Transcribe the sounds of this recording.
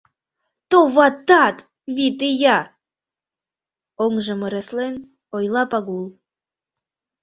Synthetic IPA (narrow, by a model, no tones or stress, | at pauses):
t̪oβɑt̪ːɑt̪ | βit̪ejɑ | oŋʒə̆məɾeslen | ojlɑpɑɣulˠ